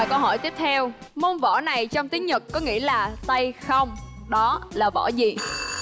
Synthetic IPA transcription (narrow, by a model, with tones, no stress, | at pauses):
jkə˧wɦɔ˧˩jt̪i˦˥əp̚t̪ʰɛ˧wmo˧nvɔ̰˧˩na˨˩jt͡ɕɔ˧wŋ͡mt̪i˨˦ɲɨ˨˩kkɔ˨˦ŋḭ˧˥əlaː˨˩t̪a˧jxə˧wŋ͡mɗɔ˨˦laː˨˩vɔ̰˧˩zi˨˩